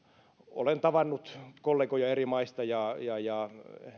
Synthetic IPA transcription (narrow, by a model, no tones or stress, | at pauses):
o̰lent̪ɑʋɑnːut̪kolːeːkojɑerimɑist̪ɑjɑjɑjɑ